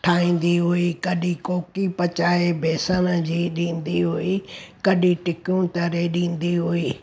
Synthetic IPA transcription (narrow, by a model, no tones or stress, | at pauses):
ʈʰaːɦĩːn̆d̪iɦuikɐɗikoːkipɐt͡ɕaːebʱeːsənə̆d͡ʑiːɗĩːn̆d̪iɦuikɐɗĩʈɪkjũt̪ɐɾeɗĩːn̆d̪iɦuiː